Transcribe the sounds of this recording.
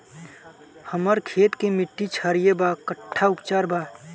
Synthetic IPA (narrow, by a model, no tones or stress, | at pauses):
həməɾkʰeːt̪kemɪʈːit͡ʃʰaːɾijebaːkəʈʰːaʊpt͡ʃaːɾbaː